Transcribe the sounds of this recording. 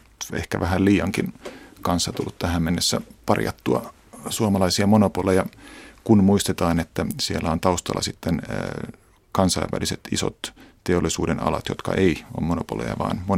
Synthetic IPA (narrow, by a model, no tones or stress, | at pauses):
ḛhkæʋæɦælliːjɑŋkinkɑnsːɑt̪ulːut̪t̪æhæmmenːesːæ̰pɑrjɑ̰t̪ːuɑ̰ | suomɑlɑisiɑmonopolejɑkunmuist̪et̪ɑːnet̪ːæsielːæont̪ɑust̪ɑ̰lːɑsit̪ːen | kɑnsɑiʋːæ̰liset̪iso̰t̪t̪eolːˑisuːdenɑ̰lɑt̪jot̪kɑ̰ʔeiommonopolḛjɑ̰ʋɑ̰ːnmo